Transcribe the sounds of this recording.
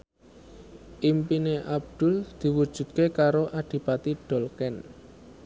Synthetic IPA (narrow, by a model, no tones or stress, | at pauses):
ʔimpineʔab̚d̪̥ʊ̤ld̪̥i̤wud̥ʒ̥ṳt̪̚kekaɾoʔaɖ̥i̤pat̪iɖ̥ɔ̤lkɛn